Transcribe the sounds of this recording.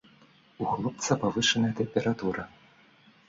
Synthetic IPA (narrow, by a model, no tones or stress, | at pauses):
uxlˠɔp̚t̪sɐpavɨʂɐnɐjɐt̪ɛmpʲɛɾat̪uɾɐ